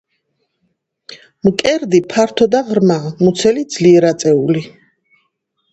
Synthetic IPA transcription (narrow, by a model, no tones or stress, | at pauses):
mkʼɛɾd̪ipʰaɾt̪ʰɔd̪aʁɾmamut̪sʰɛlid̪z̥liɛɾat̪sʼɛuli